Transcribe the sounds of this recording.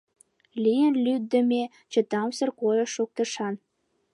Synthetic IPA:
lijənlyd̪ːə̆mʲe | t͡ɕə̆t̪ɑmsə̆rkojəʃuk̚t̪əʃɑn

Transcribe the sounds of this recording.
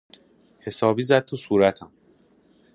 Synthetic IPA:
he̞sɒːbiːzæd̪̥̚t̪ʰusuːɾæt̪ʰæm

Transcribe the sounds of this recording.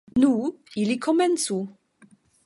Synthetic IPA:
nuilikʰɔmɛnsu

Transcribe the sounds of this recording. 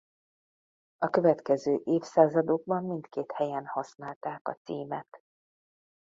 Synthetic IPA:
ɒkø̞vɛt̪kɛzøːʔeːfsaːzɒd̪oɡ̚bɒmːint̪keːt̪hɛjɛnhɒsnaːlt̪aːkɒ̰t̪siːmɛt̪

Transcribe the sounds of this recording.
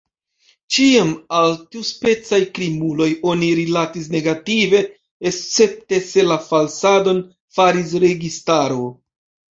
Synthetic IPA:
t͡ʃiamaltiuspe̞t͡sajkɾimulo̞jo̞niɾilatis̬ne̞ɡative̞ː | st͡se̞p̚te̞se̞lafalsado̞n | faɾis̬ɾe̞ɡistaɾo̞

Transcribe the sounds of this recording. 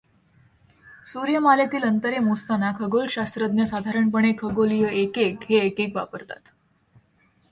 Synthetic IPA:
suɾjəmalet̪iːlənt̪əɾemust̪anakʰəɡolɕast̪ɾəd̪njəsad̪ʱaɾəɳpəɳ̃ekʰəɡolijəekekɦeːkekʋa̰pəɾt̪a̰t̪

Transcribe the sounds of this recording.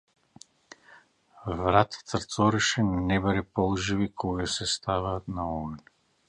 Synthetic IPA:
vɾat̪ʰḁt̪əɾt̪sɔɾɛʃɛnɛbaɾɛpɔlˠʒivikʰɔɡasɛst̪avaːt̪naɔn

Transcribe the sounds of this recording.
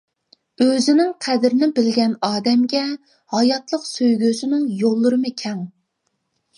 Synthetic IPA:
øzɪnɪŋqʰæd̪ɾɪnɪbɪlɡʲɛnɑːd̪ɛmɡʲɛ | hɑjɑt̪lˠəqsøjɡʲøsɪnɪŋjolˠːʊɾɨmɨkʲʰɛŋ

